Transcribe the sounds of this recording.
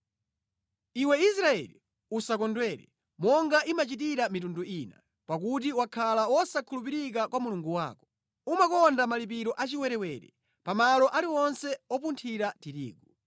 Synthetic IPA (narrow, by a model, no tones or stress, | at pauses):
iwɛisɾaɛ̰li | usakɔndwɛɾɛ̰ | mɔŋɡaʔimat͡ʃitiɾamitunduiːna̰ | pakut̬iwakʰalawɔsakʰulupiɾik̬akwamuluŋɡuwa̰ːkɔ̥ | umakɔndamalipiɾɔʔat͡ʃiwɛɾɛwɛɾɛ̰ | pamalɔʔaliɔnsɛɔpuntʰiɾatiɾḭːɡu